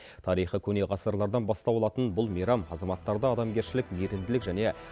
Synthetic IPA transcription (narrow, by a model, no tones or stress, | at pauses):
t̪ʰɑɾijχəkʲʰɵne̞ʁɑsəɾlˠɑɾd̪ɑnbɑst̪ɑbolˠɑt̪ənbʊlˠmijɾɑmɑzɑmɑt̪ːɑɾd̪ɑɑd̪ɑmɡʲe̞ɾʃɪlɪkmeɾɪmd̪ɪlɪkʒæne̞